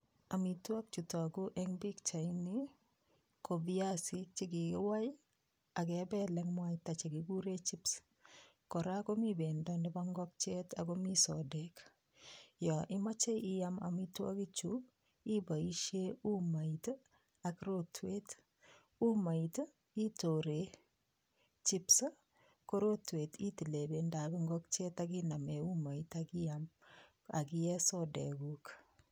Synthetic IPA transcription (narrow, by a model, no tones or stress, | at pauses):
amitwak̚t͡ʃutɔkuʔɛŋbikt͡ʃajni | kobiasit͡ʃikiwaj | ak̬ɛbɛlɛŋmwajtat͡ʃeɡiɡuɾet͡ʃips | kɔɾakomibendɔndɛbaŋɡɔk̚t͡ʃetakomisɔdek | jɔʔimat͡ʃejʔiama̰mitwa̰kit͡ʃub̚ | ibaiʃeumait | akɾotʰwet | umajt | itoɾe | t͡ʃipsə | koɾotwetitilebendabiŋɡɔk̚t͡ʃetakinameumaitakijam | a̰kijɛsɔdḛɡuk